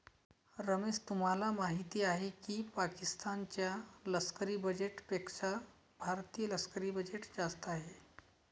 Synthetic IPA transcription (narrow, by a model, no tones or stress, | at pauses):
ɾəmest̪um̤alamaɦit̪iːaɦekipakist̪ant͡ɕjaləskəɾiːbəd͡ʑeʈpekʂa | bʱaɾt̪ijələskəɾiːbəd͡ʑeʈd͡ʑast̪aɦe